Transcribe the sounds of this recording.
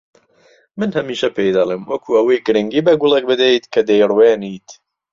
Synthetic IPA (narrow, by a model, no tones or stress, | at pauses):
mɨnhɐmiːʃɐpʰejd̪ɐlˠemwɐkʰuːɐwɐjɡɨɾɨŋɡiːbɐɡʊlˠek̚bɨd̪ejt̪kʰɐd̪ejrweːnit̪